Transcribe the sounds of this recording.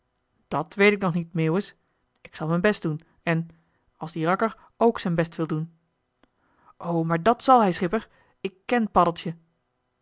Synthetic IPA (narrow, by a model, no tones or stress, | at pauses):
d̥ɑtʋejtɪk̚nɔχnitmɪːwəs | ɪksɑlˠmɛjnbɛst̚d̥un | ɛn | ɑlˠzdirɑkəɹ | owksɛjnbɛstʋɪlˠdun | ʔowmaːɹdɑtsɑlˠɦɛjsχɪpəɹ | ɪkːɛnpɑdəl̩ˠtjə